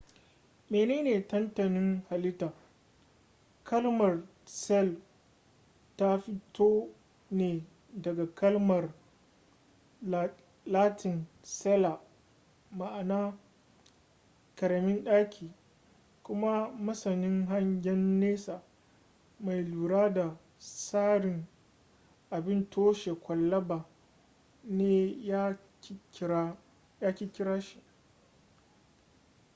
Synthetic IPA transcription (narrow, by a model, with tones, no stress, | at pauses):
meː˨neː˦neː˨tɐ˦ntɐ˨nɪ˦ŋha˨lɪ˦taː˨ | kʰɐ˦lmɐ˨r | sɛ˦l | ta˦ɸɪ˦toː˦ | neː˨ | dɐ˨ɡa˨kɐ˦lmɐ˨r | laː˦tʰɪ˨n | sɛ˦la˨ | ma˨ʔa˨naː˦ | kɐ˨ɾɐ˨mɪ˦nɗaː˦kʲʰiː˨ | kʷʊ˦ma˦mɐ˦sɐ˨nɪ˦ŋɦa˦ɲɡʲɛ˦nːeː˦saː˨ | ma˨jluː˨ɽaː˦da˨ | saː˦ɾɪ˨ŋ | ʔa˨bɪ˦ntʰoː˦ʃe˨kʷɐ˨lːɐ˦baː˨ | neː˦ja˦ | jaː˦kʲi˦kʲɪ˦ɾaː˦ʃi̥˦ʔ